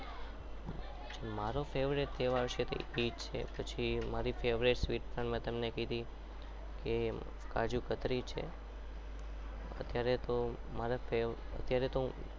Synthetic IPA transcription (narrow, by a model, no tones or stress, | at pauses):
d͡ʒemaɾofeʋɾiʈ̚t̪ʰeʋaɾʃet̪ḛid͡ʒt͡ʃʰḛpət͡ʃʰimaɾifeʋɾiʈsʋiʈ̚pəɳmẽt̪əmnekid̪i | ke | ka̰d͡ʒukət̪ɾit͡ʃʰḛ | ə̰t̪jaɾet̪o | maɾafeə̰t̪jaɾet̪o